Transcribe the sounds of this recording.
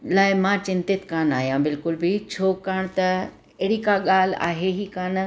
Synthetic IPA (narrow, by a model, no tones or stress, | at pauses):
laːɪmãːt͡ɕɪ̃nt̪ɪt̪kaːnaːɦijãbɪlkʊlbʱit͡ɕʰoːkaːɽ̃t̪ɐ | eɽikaɠaːl̤a̰ːɦeɦiːkaːn